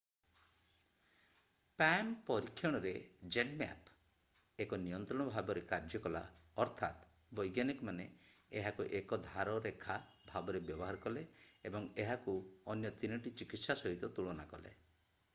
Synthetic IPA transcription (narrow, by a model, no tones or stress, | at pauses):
pampɔɾikʰːjɔɽ̃ɔɾed͡ʒeɖma̰p | ekɔnijɔnt̪ɾɔɽ̃ɔbʱabɔɾekaɾd͡ʒɔkɔla̰ | ɔɾt̪ʰat̪ | bɔjɡjanikɔmane | eɦakuʔekɔd̪ʱaɾɔɾekʰa | bʱabɔɾebjɔbɔɦaɾɔkɔle | ebɔŋeɦakuɔnjɔt̪inɔʈit͡ʃikit̪sasɔɦit̪ɔt̪uɭɔnakɔlḛ